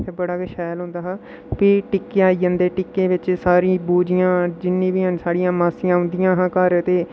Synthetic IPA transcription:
ebəɽaːɡəʃɛːlɦʊ̃nd̪aːɦa | piːʈɪkːeaːid͡ʒə̃nd̪eːʈɪkːeːʋɪt͡ʃsaːɾĩːbuːd͡ʒɪjãːd͡ʒɪnːĩːbiːɦənsaːɽijãːmaːsijãːɦʊ̃nd̪ɪjãːɦãːkaːɾt̪eː

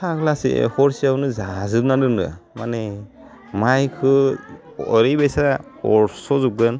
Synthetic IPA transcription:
tʰaklasḭhɔɹsianɯzazɯbnadɯndɯ̰manɛ | majkʰɯ | ɔɾibɛjsa | ɔ̰ɹsɔzuk̚ɡɯn

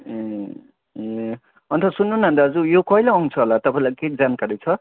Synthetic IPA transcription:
e | e | ʌnt̪ʰʌsunːunɦʌnd̪aʌd͡zujokʌɦilaʌw̃t͡sʰʌɦolat̪ʌpãĩlajked͡zankaɾet͡sʰʌ

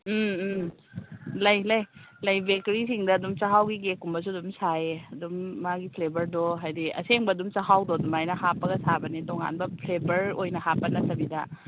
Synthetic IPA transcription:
m | lɐjlɐjlɐjbek̚tɾisiŋdɐːdumt͡ʃɐɦawɡiɡekːumbɐs̬uɐdumsaeɐdumːaɡipʰlebɐɾdoɦajdiɐ̰seŋbɐːdumt͡ʃɐɦawdodumajnɐɦapːɐɡɐsabɐnitoŋa̰nbɐpʰlebɐɾojnɐhapːɐnɐtɐbidɐ

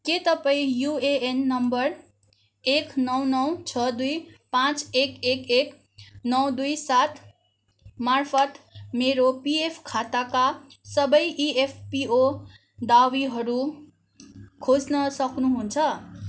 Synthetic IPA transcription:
ket̪ʌpaĩjueenːʌmbʌr | eknʌwnʌwt͡sʰʌd̪ujpãt͡sekekek | nʌwd̪ujsat̪ʰ | marpʰʌt̪meɾopiepʰkʰat̪akasʌbʌjʔiepʰpio | d̪awiɦʌɾu | kʰod͡znʌsʌknuɦunt͡sʰʌ

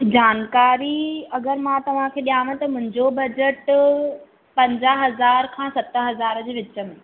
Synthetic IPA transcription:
d͡ʑaːnkaːɾiɐɡəɾmãt̪ɐʋ̤ãkʰeːɗijaːʋəɪ̆t̪ɐmʊ̃ɦɪ̃ɲd͡ʑobɐd͡ʑəʈ | pɐ̃ɲd͡ʑaːɦɐzaːɾkʰãːsɐt̪ə̆ɦɐzaːɾd͡ʑeːʋɪt͡ɕəmɪ

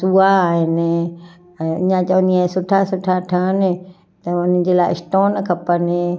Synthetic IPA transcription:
suːaːɦɪnɪ | ɛ̃ːʊ̰ɲãt͡ɕɐʋʊniaːsʊʈʰasʊʈʰaʈʰanɪ | t̪ɐʊnə̃d͡ʑeːlaːɪɪ̰sʈoːnkʰɐpənɪ

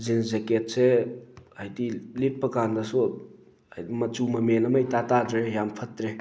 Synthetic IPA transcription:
zinzeket̚seajdilit̚pɐkandɐsu | jmɐt͡ʃumɐmenɐmajtatadɾejampʰɐtɾe

